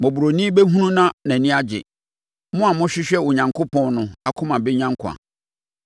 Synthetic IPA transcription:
mɔ̃˨bu˨ɾo˨nĩ˦bɛ˦ɦũ˦nũ˦nã˦næ̃˨nĩ˦a˦d͡ʑɪ̰˨ | mʊ̃˦a˨mʊ̃˦ɕᶣɪ˦ɕᶣɛ˦o˨ɲã˨ŋkʰo˦pʰɔ̃˦nʊ̃˨a˨kʰʊ̃˦mã˨be˦ɲã˦ŋkʰʊ̰˨a̰˨

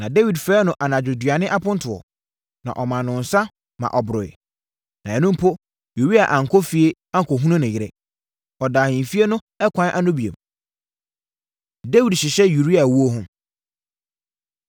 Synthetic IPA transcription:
nã˨de˦wi˨dfɛː˦nʊ̃˨ʔa˨nã˨d͡ʑᶣʊ˨du˨a˨nɪ̃˦ʔa˦pʰʊ̃˦ntʰʊ˨ɔ̰˨ | nã̰˨ʔɔ˨mã˨nʊ̃˨n̩˨sa˦ | mã̰˨ʔɔ˨bʊ˨ɾʊ˨ɪ̰˨ | nã˨ɛ˨nʊ̃˦m˦pʰo˦ | ju˨ɾi˦a˨ʔã˨ŋ̩˨kʰo˦fi˨e˦ | a˦ŋ̩˨kʰɔ˨ɦũ˦nʊ̃˦nɪ̃˨jɪ˦ɾɛ˦ | ɔ˨daː˨hɪ̃˨m̩˨fi˦e˦nʊ̃˦ | ɛ˦kʷʰã˦ʔa˦nʊ̃˦bi˨ḛ˨m | de˦wi˨dɕɪ˨ɕɛ˦ju˨ɾi˦a˨wu˦o˦ɦʊ̃˦

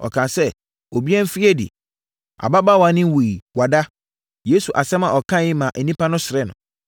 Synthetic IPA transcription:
ɔ̰˨kʰãː˨sɛ˦ | o˨bi˦ɛ̃˦m̩˦fi˦ɛ˦dɪ̰˨ | a̰˨ba˦ba˦˨wa˨˦nɪ̃˦wu˨i˨wa˨da˦ | je˦su˨ʔa˨sɛ̃˦mã˨ʔɔ˨kʰã˦jɪ˦mã˨ʔɛ˨nĩ˦pa˦nʊ̃˦sɪ˨ɾɛ˦nʊ̰̃˨

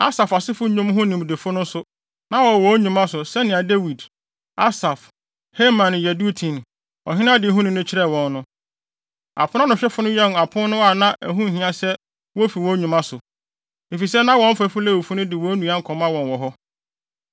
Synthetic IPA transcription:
a̰˦sa˨fa˨sɪ˦fʊ˦ɲũ˦mɦʊ̃˦nĩ˨m˨de˨fʊ˦nʊ̃˦n˦sʊ˦ | nã˦wɔ˨wɔ˦ɲũ˨mã˦sʊ˨sɛ˦nɪ̃˨a˨de˦wi˨d | a˦sa˨f | he˦mã˨n˨jɛ˨du˦tʰĩ˨n˨ | ɔ̰˨ɦɪ̃˦nã˦dɪ˨ɦũ˦nʊ̃˦nʊ̃˦t͡ɕʰɪ˦ɾɛ˨wɔ̃˨nːʊ̃˦ | a̰˨pʰʊ˦n˦a˦nʊ̃˨ɕᶣɛ˦fʊ˦nʊ̃˦jɛ˦n˨a˨pʰʊ̃˦nʊ̃˦a˨nã˦ʔæ̰˨ɦũ˦˨ɦĩ˦a˦sɛ˦ | wɔ˦fi˨wɔ̃˦ɲũ˨mã˦sʊ˨ | e˨fi˨s̬ɛ˦nã˦wɔ̃˦m̩˦fæ˦fʊ˦le˦˨wu˨fʊ˦nʊ̃˦dɪ˨wɔ̃˨˦nũ˨˦ã˦ŋ̩˦kʰɔ̃˨mã˦wɔ̃˨nwɔ˨ɦɔ˦

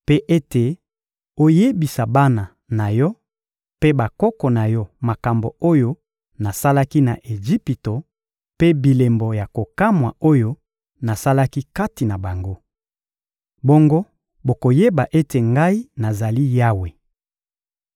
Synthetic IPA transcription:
pe˦ʔe˦te˨ | o˦je˦bi˨sa˨ba˦na˨ | na˨jɔ˦ | pe˦ba˨kɔ˦kɔ˨na˨jɔ˦ma˨ka˨mbo˨o˦jo˦ | na˨sa˦la˦ki˦na˨ʔe˨ʒi˦pi˨to˨ | pe˦bi˨le˨mbo˨ja˨ko˨ka˦mwa˨o˦jo˦ | na˨sa˦la˦ki˦ka˦ti˨na˨ba˨ŋɡo˦ | bo˦ŋɡo˦ | bo˨ko˨je˦ba˨ʔe˦te˨ŋɡa˦i˦na˨za˨li˦ja˦we˨

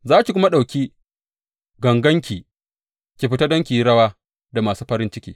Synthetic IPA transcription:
zaː˦kʲi˨kʷʊ˦ma˦ɗa˨wkʲiː˦ | ɡɐ˨ŋɡɐ˦ŋkʲiː˨ | kʲi˨ɸɪ˦ta˦dɐ˦ŋkʲiː˨jɾɐ˦waː˦ | da˨maː˨suː˦ɸɐ˦ɾɪ˦nt͡ʃɪ˦kʲiː˨

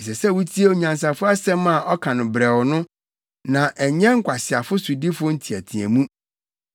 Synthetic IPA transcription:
i˨s̬ɛ˨sɛ˦˨wʊ˦tʰi˦e˦o˨ɲã˨n˨s̬a˨fʊ˦a˦sɛ̃˦mã˨ʔɔ˦kʰã˨nʊ̃˨bɾɛ˨wɔ˨nʊ̃˦ | nã˨ʔɛ˨ɲɛ̃˦ŋ̩˦kʷʰa˨sɪ˨a˨fʊ˦su˨di˦fʊ˦n̩˦tʰi˨æ˨tʰĩ˨æ̰˨mũ˦

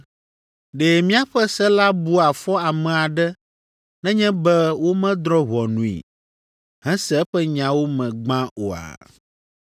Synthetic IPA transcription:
ɖɛ˨mĩ˦a˦ɸɛ˦sɛ˦la˦bu˦a˨fɔ˦a˨mɛ̃˨a˨ɖɛ˦ | nɛ̃˦ɲɛ̃˦bɛ˦wo˦mɛ̃˦d̪ɾɔ˦βɔ˨nũ˨ḭ˨ | ɦɛ̃˦sɛ˦ɛ˦ɸɛ˦ɲã˨wo˦mɛ̃˨ɡ͡bã˦o˨a̰˨

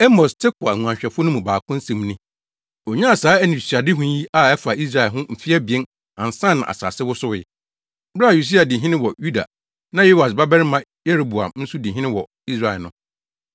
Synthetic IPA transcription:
ɛ˦mɔ˨stʰɪ˦kʰʊ˨a˨ŋu˨ã˨ɲɕᶣɛ˨fʊ˦nʊ̃˦mũ˨baː˨kʰʊ̃˦n̩˦sɛ̃˨mnɪ̃˦ | o˨ɲã˦a˨saː˨˦ɛ˦nɪ̃˨u˨si˨a˨dɪ˦ɦʊ̃˦ji˦ʔa˦˨ɛ˦fa˨i˦s̬ɾa˨ɦʊ̃˦m̩˨fɪ˦ɛ˦bi˨ɛ̃˦n | ã̰˨n̩˨sã˦nːã̰˨ʔa̰˨sa̰˨sɪ˦wʊ˦sʊ˦˨ɪ̰˨ | bɾa˦˨ju˨s̬i˦a˨dɪi˨ɦɪ̃˦nɪ̃˦wɔ˨ju˦da̰˨ | nã˦je˦wa˨sba˦bɛ˦ɾɪ˦mã˦ | je˦ɾe˨bu˨a̰˨mn̩˦su˦dĩ˨ɦɪ̃˦nɪ̃˦wɔ˨ | i˦sɾa˨ɛ˨nʊ̃˦

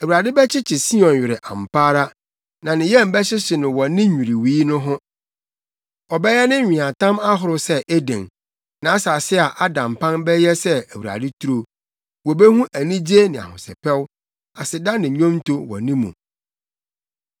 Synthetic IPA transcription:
æ˨wu˨ɾa˨dɪ˦bɛ˦t͡ɕʰɪ˦t͡ɕʰɪ˨si˦ɔ̃˨n˨ɥɪ˨ɾɪ˨ʔã˨m˨pʰaː˦ɾa˦ | nã˨nɪ̃˨jɛ˦˨m˨˦bɛ˦ɕɪ˦sʊ˨nʊ̃˨wɔ˨nɪ̃˦ɲᶣũ˨ɾi˨wiː˦nʊ̃˦ɦʊ̃˦ | ɔ˨bɛ˦jɛ˦nɪ̃˦ɲᶣĩ˨ã˨tʰã˦ma˦ɦʊ˨ɾʊ˨sɛ˦ʔe˦dɛ̰̃˨ŋ | nã˨a˦saː˨sɪ˦a˨ʔa˦dã˨mpʰã˦nbɛ˦jɛ˦sɛ˦æ˨wu˨a̰˨dɪ˦tʰu˦ɾo˦ | wɔ˨be˦hũ˦ʔæ˨nĩ˦d͡ʑe˦nɪ̃˨a̰˨hʊ̰̃˨sɛ̰˨pʰɛ˦w | a˨sɪ˨da˦nɪ̃˨ɲᶣõ˦mtʰo˦wɔ̰˨nɪ̃˦mṵ̃˨

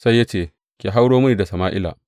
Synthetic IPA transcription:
sa˦jːa˦t͡ʃeː˦˨ | kʲe˨ɦa˦wɽoː˦mʊ˦niː˨da˨sɐ˨maː˦ʔɪ̰˦la̰ː˨ʔ

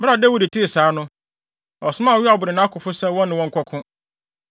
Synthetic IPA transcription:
bɾa˨dɛ˦wu˦di˨tʰi˦˨saː˨˦nʊ̃˦ | ɔ˨sʊ˦mã˦˨ɔ˨˦ɪ˦a˨bʊ˨ɾɪ˨nã˦kʰʊ˨fʊ˦sɛ˦wɔ̃˦nɪ̃˨wɔ̃˦ŋ̩˦kʰɔ˦kʰʊ̃˦

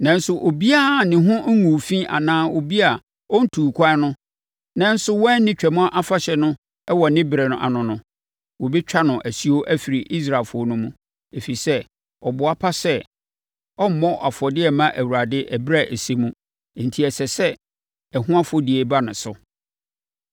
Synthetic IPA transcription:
nã˨n̩˦sʊ˦ʔo˨bi˦a˦˨nɪ̃˨ɦʊ̃˦ŋũ˨fĩ˦a̰˨nãː˦o˨bi˦a˨ | ɔ˦n̩˦tʰuː˨kʰʷã˦nʊ̃˦ | nã˦n̩˦sʊ˦wɛ̃˦nɪ̃˨t͡ɕᶣɛ˨mũ˦a˦ʔa˦fa˦ɕɛ˨nʊ̃˦ | ɛ˦wɔ˨nɪ̃˦bɾɛ˨nʊ̃˦ʔa̰˨nʊ̃˨nʊ̃˨ | wɔ˨bi˦t͡ɕᶣa˦nʊ̃˨ʔæ˨si˦o˦ʔæ˦fi˨ɾi˨ʔi˦s̬ɾa˨ɪ˨lfɔ˦nʊ̃˦mũ˦ | e˨fi˨sɛ˦ | ɔ˨bʊ˨a˦pʰa˦sɛ˦ | ɔ˦m̩˦mɔ̃˦ʔa˨fɔ˨dɪ˦ɛ˨mã˦ʔæ˨wu˨ɾa˨dɪ˦ʔæ˨bɾa˦ʔæ˨si˦mũ˦˨ | n̩˨tʰi˨ɛ˨sɛ˨sɛ˦ | ɛ˨ɦʊ̃˦a˦fɔ˦di˨e˨ba˦nʊ̃˨sʊ˨

